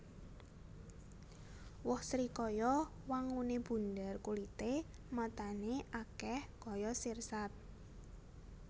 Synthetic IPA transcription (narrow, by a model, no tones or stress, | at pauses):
wɔhsɾikɔjɔ | waŋuneb̥ṳndərkulit̪e | mat̪aneʔakɛhkɔjɔsirsat̪̚